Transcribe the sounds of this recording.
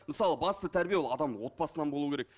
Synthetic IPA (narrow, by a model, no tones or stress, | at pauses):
məsɑlˠəbɑst̪ət̪ʰæɾbijewlˠɑd̪ɑmd̪əwo̞t̪̚pɑsənɑnbouəkʰʲeɾek